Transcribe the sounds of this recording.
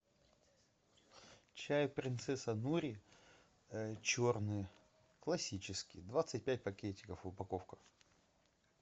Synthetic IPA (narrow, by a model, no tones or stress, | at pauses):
t͡ɕæjəpɾʲɪnt̪sɛsənuɾʲɪ | t͡ɕornɨj | klˠɐsʲit͡ɕɪskʲɪd̪vat̪sɨt̚ʲpʲæt̚ʲpɐkʲetʲːɪkəfʊpɐkofkə̥